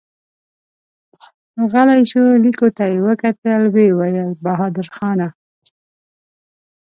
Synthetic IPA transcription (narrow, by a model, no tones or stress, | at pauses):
ɣəlajʃolikot̪ajewəkat̪əlwewajəlbaɦɑd̪ɪɾxɑna